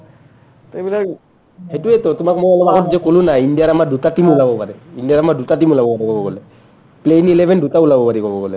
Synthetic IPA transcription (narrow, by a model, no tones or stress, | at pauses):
t̪ejbila | hetuet̪ot̪umakmobalɔbakɔtd͡ʒekolunaiɳɖijaɾamaɖutaʈimulabɔpaɾɛinɖiaɾamaɖutaʈimulabɔpaɾekɔbɔɡɔle | pleinilebʱenɖʱutaulabɔpaɾikɔbɔɡɔle